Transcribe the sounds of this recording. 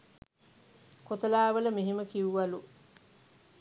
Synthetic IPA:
kot̪əlaːʋələmeɦeməkiuʋalu

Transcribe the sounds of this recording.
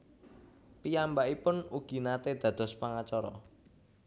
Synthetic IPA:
pijambaʔipʊnuɡ̥i̤nat̪ed̪̥ä̤d̪̥ɔ̤spaŋat͡ʃɔɾɔ̰

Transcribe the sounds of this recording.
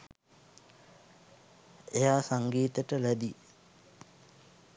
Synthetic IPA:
ejaːsaŋɡiːt̪əʈəlæd̪i

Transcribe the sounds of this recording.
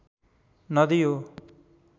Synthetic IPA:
nʌd̪ijo

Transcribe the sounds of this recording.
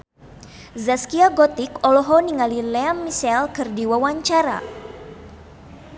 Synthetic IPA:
zaskiaɡɔt̪ikɔlɔɦɔniŋalilɛamːisɛlkɨrdiwawaɲt͡ʃaɾa̰

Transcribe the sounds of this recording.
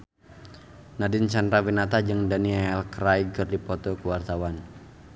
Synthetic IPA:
nadɪnt͡ʃanɾawinat̪ad͡ʒɨŋdaniɛlkrajkɨrdipɔt̪ɔkuwart̪awan

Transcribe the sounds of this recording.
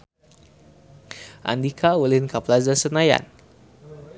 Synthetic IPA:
ʔa̰ndikʰaulɪnkaplazasənaja̰n

